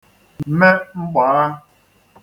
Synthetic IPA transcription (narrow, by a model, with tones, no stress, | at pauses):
m̩m̩˦me˦ŋ͡m̩˦ɡ͡bɔ˨˦ɾa˦